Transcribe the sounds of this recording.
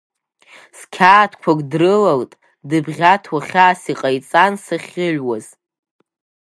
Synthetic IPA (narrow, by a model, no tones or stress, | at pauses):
skʲʰaːtʰkʷʰakʼdrɨlaltʼ | dɨbʁʲatʰwaχʲaːsiqʼajt͡sʼansaχʲɪʒwaz̥